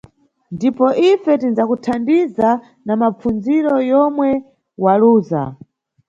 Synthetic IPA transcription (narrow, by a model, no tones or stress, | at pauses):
ndipɔʔifɛtinzakutʰandiza | namap͡funziɾɔjɔmwɛ | waluːza̰